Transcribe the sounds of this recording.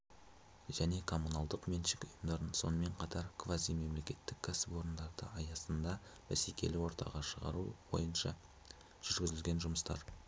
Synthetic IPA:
ʒ̥æne̞kʰo̞mːunɑlˠd̪əqmenʃɪkʊjəmd̪ɑɾənso̞̰nəme̞ɴqʰɑt̪ɑɾkʰvazijme̞mle̞kʲe̞t̪ːɪkʲʰːæsɪpo̞ɾənd̪ɑɾd̪ə̰ɑjɑsənd̪ɑb̥æsekʲe̞̰lɪwo̞ɾt̪ɑ̰ʁɑʃəʁɑ̰ɾuwo̞̰jənʃɑ̰ | ʒ̥ʏɾɡʲɪzɪlɡʲe̞nʒʊməst̪ɑ̰ɾ

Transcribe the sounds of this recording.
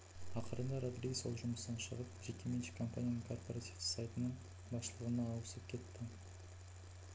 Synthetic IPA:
ɑqəɾənd̪ɑɾad̪ɾijso̞lˠʒʊməsnɑnʃə̰ʁəp̚ʒe̞kʲːe̞me̞nʃɪ̥kʰo̞mpanʲijanəŋkʰo̞rpoɾat̪ifsajt̪ənəɴ | bɑsʃəlˠəʁənɑːwəsəp̚kʲʰe̞t̪ːɪ

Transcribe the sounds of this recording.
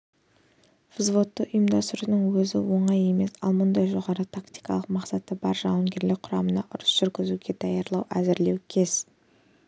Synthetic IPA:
fzvo̞t̪ːəʊjəmd̪ɑst̪ɾnəŋwɵzɪ̰wo̞ɴɑje̞me̞sɑ̰lˠmʊnd̪ɑjʒo̞ʁɑɾət̪ʰakt̪i̥jkɑlˠəqmɑqsɑt̪əbɑɾʒɑw̪əmɡʲe̞ɾlɪk̚ʲqʰʊɾɑmənɑʔʊɾəsʒ̥ʏɾɡʲɪzuɡʲe̞d̪̥ɑjɑɾlˠɑwʔæzɪɾle̞wkʲʰe̞z̥

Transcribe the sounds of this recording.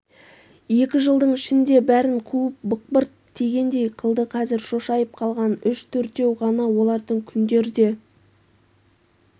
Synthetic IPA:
je̞kʲɪʒəlˠd̪əɴɪʃɪnd̪e̞bæɾɪɴqʰuəp̚bʊq̚bəɾt̪d̪e̞ɡʲe̞nd̪e̞jqʰəlˠd̪əqʰɑzɪɾʃo̞ʃɑjəp̚qʰɑlˠʁɑnʏʃt̪ʰɵɾt̪e̞wʁɑnɑwo̞lˠɑɾd̪əɴkʲʰʏnd̪e̞ɾɪd̪e̞

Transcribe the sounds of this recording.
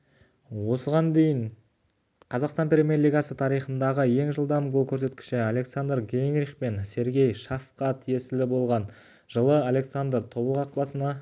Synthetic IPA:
wo̞səʁɑnd̪e̞jɪɴ | qʰɑzɑqst̪ɑnpʲɾʲemʲerlijɡɑsət̪ʰɑɾijχənd̪ɑʁəje̞ŋʒəlˠd̪ɑmɡolˠkʲʰɵɾse̞t̪kʲɪ̥ʃɪale̞ksand̪rɡʲenɾiχpe̞nse̞ɾɡʲe̞jʃɑfqɑt̪ʰije̞sɪlɪbo̞lˠʁɑn | ʒəlˠəalʲe̞ksand̪rt̪ʰo̞bəlˠəʁɑq̚lˠɑsənɑ

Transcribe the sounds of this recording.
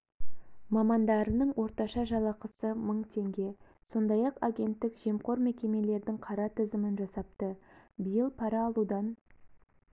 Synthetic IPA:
mɑmɑnd̪ɑɾənəɴwo̞ɾt̪ɑʃɑʒɑlˠɑqəsəməɴt̪ʰe̞ŋɡʲe̞ | so̞nd̪ɑjɑqaɡʲe̞nt̪ːɪkʒe̞mqo̞ɾme̞kʲe̞me̞le̞ɾd̪ɪŋqʰɑɾɑt̪ʰɪzɪmɪnʒɑsɑp̚t̪əbijəlˠpʰɑɾɑːlˠud̪ɑn

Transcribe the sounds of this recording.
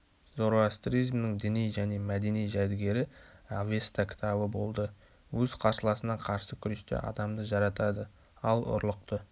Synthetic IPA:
zo̞ɾoast̪rijzmnɪŋd̪ɪnijʒæne̞mæd̪e̞nijʒæd̪ɪɡʲe̞ɾɪave̞st̪akʲʰɪ̥t̪ʰɑbəbo̞̰lˠd̪ə | wɵz̥qʰɑɾsəlˠɑsənɑqʰɑɾsəkʲʰʏɾeʃt̪ḛʔɑ̰d̪ɑmd̪əʒɑɾɑt̪ɑd̪ə | ɑlˠʊ̰ɾlˠəq̚t̪ə

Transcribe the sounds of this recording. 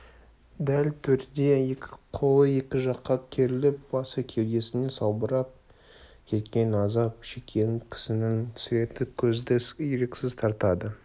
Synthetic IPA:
d̪ælt̪ʰɵɾd̪e̞ekʲɪqʰolˠəje̞kʲɪʒɑqːɑkʲʰe̞ɾɪlɪp̚bɑsəkʲʰe̞wd̪e̞sɪne̞sɑwbəɾɑp̚ | kʲʰe̞t̪kʲe̞nɑzɑp̚ʃe̞kʲʰːe̞ŋkʲʰɪ̥sɪnɪŋt̪ʰʏ̥sɪɾe̞t̪ɪkʲʰɵzd̪ɪjeɾekʲsɪzt̪ʰɑɾt̪ɑd̪ə

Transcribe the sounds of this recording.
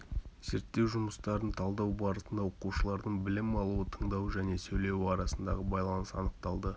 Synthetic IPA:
z̥eɾt̪ːe̞wʒʊməst̪ɑɾənt̪ʰɑlˠd̪ɑwbɑɾət̪ənd̪ɑwo̞quʃəlˠɑɾd̪əɴbɪlɪmɑlˠuət̪ʰəɴd̪ɑwʒæne̞sɵjle̞wɪɑɾɑsənd̪ɑʁəbɑjlˠɑnəsɑ̰nəq̚t̪ɑlˠd̪ə

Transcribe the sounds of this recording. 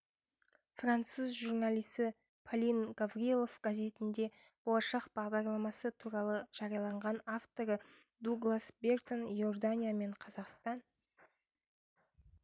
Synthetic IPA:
frant̪suzʒurnalʲˠijsɪ | pʰolʲinɡavrielˠo̞fɡazʲe̞t̪ɪnd̪e̞b̥olˠɑʃɑqbɑʁd̪ɑɾlˠɑmɑsət̪ʰuɾɑlˠəʒ̥ɑɾijɑlˠɑɴʁɑnaft̪o̞ɾə | d̪uɡlˠasbʲe̞rt̪onjo̞rd̪anʲijame̞ɴqʰɑzɑqst̪ɑn

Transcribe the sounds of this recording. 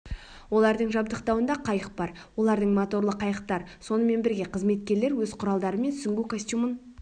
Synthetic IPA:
wo̞lˠɑɾd̪əɴʒɑbd̪əqt̪ɑwənd̪ɑqʰɑjəq̚bɑɾ | wo̞lˠɑɾd̪əɴmot̪o̞ɾlˠəqʰːɑjəq̚t̪ɑɾso̞nəme̞nbɪɾɡʲe̞qʰəzme̞t̪̚kʲe̞ɾle̞ɾwɵzqʰʊɾɑlˠd̪ɑɾəme̞nsʏŋɡʲukosʲt̪ʲjumən

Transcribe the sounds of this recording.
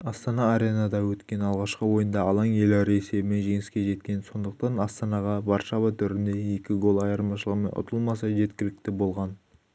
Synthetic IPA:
ɑst̪ɑnɑːɾe̞nɑd̪ɑwɵt̪kʲe̞nɑlˠʁɑʃqəwo̞jənd̪ɑɑlˠɑŋje̞lɑɾese̞bɪme̞nʒe̞ŋɪskʲe̞ʒe̞t̪kʲe̞nso̞nd̪əq̚t̪ɑnɑst̪ɑnɑʁɑvɑɾʃɑβɑt̪ʰʏɾɪnd̪e̞je̞kʲɪɡo̞lˠɑjɑɾmɑʃəlˠəʁəme̞nʔʊ̰t̪ʰəlˠmɑsɑʒe̞t̪kʲɪlɪk̚t̪ɪbo̞lˠʁɑn

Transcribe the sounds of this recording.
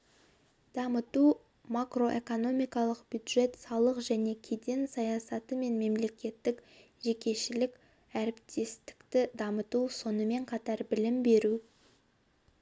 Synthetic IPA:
d̪̥ɑmət̪u | makro̞ʔe̞ko̞no̞mijkɑlˠəqbjud̪ʒe̞t̪sɑlˠəqʒæne̞kʲʰe̞d̪e̞nsɑjɑsɑt̪əme̞nme̞mle̞kʲe̞t̪ːɪk | ʒe̞kʲe̞ʃɪlɪkʲ | æɾɪpt̪ʰe̞st̪ɪ̥kt̪ɪd̪ɑmət̪uso̞nəme̞ɴqʰɑt̪ɑɾbɪlɪmbe̞ɾu

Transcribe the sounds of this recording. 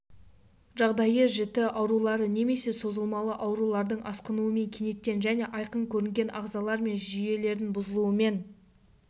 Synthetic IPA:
ʒɑʁd̪ɑjəʒɪt̪ɪʔɑwɾulˠɑɾəne̞me̞se̞so̞zəlˠmɑlˠəʔɑwɾulˠɑɾd̪əɴʔɑsqənuəme̞ŋkʲʰene̞t̪̚ːʲe̞nʒæne̞ʔɑjqəɴkʲʰɵɾɪŋɡʲe̞nʔɑʁzɑlˠɑɾme̞nʒʏje̞le̞ɾd̪ɪnbʊzəlˠuəme̞n

